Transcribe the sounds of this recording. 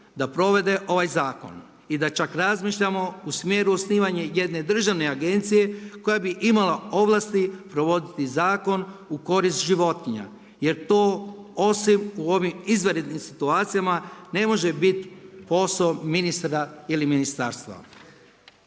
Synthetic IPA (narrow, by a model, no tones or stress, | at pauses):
d̪apɾo̞ʋe̞d̪e̞ʔo̞ʋajzaːko̰n | id̪at͡ʃakɾazmiːʃʎamo̞usmje̞ːɾuosniːʋaɲeje̞d̪ne̞d̪r̩ʒaʋne̞aɡe̞nt̪sije̞ko̞jabiʔimalao̞ʋlˠast̪ipɾo̞ʋo̞d̪it̪izaːko̞nuko̞ɾist̪ʒiʋo̞t̪iɲa̰ | je̞ɾt̪o̞ːosimuo̞ʋimizʋeɾed̪nimsit̪uaːt̪sijamane̞mo̞ʒe̞bit̪po̞sominist̪ɾailiminist̪a̰ːɾst̪ʋa̰